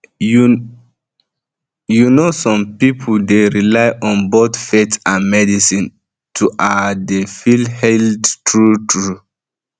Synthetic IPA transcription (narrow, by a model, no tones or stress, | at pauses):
u | junosɔ̃mpipʰuldeɹilaɪʔɔ̃nbotfetãnmɛdisĩn | tʰuʔadefilhɛldtʰɹutʰɹu